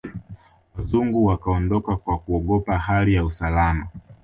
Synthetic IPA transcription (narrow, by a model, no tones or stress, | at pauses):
wazuŋɡuwakaɔndɔkakwakuɔɠɔpahalijausalama